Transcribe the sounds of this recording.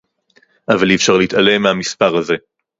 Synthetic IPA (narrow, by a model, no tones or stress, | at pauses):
ʔavalifʃaʁleitale̞mehamispaʁhaze̞